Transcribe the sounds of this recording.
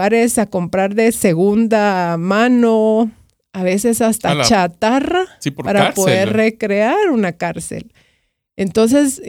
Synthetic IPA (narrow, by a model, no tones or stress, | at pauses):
aɾe̞sako̞mpɾaɾðese̞ɣund̪amano | aβe̞se̞sast̪at͡ʃat̪araipaɾapo̞ðeɾre̞kɾe̞aɾunakaɾsḛl | ent̪o̞ns̬e̞s